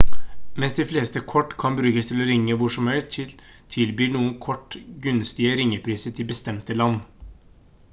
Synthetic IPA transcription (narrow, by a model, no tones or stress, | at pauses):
mɛnsd̪ɪfleːst̪əkʰɔʈːkʰɑnbɾʉːkəst̪ʰɪlɔɾɪŋːəʋʊʂɔmhœʏt̪ʰɪl | t̪ʰɪlbyːɳuːənkʰɔʈːɡʉnst̪ɪəɾɪŋːəpʰɾiːsət̪ʰɪbəst̪ɛmt̪əlɑnː